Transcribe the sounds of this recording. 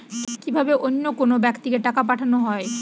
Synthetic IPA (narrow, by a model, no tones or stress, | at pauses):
kibʱabeʔonːokonobɛkt̪ikeʈakapaʈʰanoɦɔe